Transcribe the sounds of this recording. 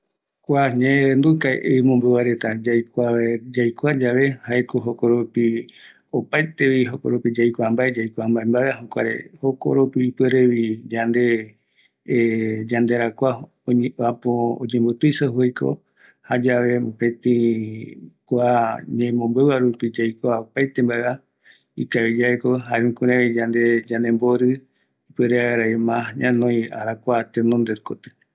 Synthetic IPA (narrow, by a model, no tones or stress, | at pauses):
kʷaɲẽnd̪ukaḛʔeimõmbɨβaɾe̞t̪ad͡ʒajkʷad͡ʒajkʷad͡ʒaʋe̞haekoɦokoɾopi | opajt̪e̞ʋiɦoko̰ɾopid͡ʒajkʷambaed͡ʒajkʷambaembaeaɦokʷa̰ɾḛho̞ko̰ɾopiːpeɾeʋid͡ʒand̪e̞ | d͡ʒand̪e̞ɾakʷa | oapoo̰d͡ʒẽmbot̪ujsahuejko̰ | had͡ʒaʋe̞mopẽt̪ĩ | kʷaɲẽmõmbɨβaɾupid͡ʒajkʷaopajt̪embaea | ikaβid͡ʒaekoɦaĩkũɾẽβid͡ʒãnd̪ed͡ʒãnẽmboɾɨ | ipweɾeaaɾaemãɲãnõja̰ɾakʷat̪enõnd̪eɾko̰t̪ɨ̥